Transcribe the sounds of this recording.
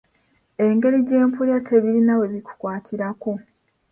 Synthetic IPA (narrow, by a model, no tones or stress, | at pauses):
e̞ŋɡe̞ɾiɟe̞ːmpuljatʰe̞βiɾinawe̞βiku̥kwaːtʰiɾako